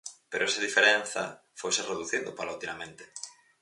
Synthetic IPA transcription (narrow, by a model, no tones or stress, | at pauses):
peɾoɛsaðifeɾenθɐ | fojsereðuθind̪ʊpalaut̪imamẽnt̪e̥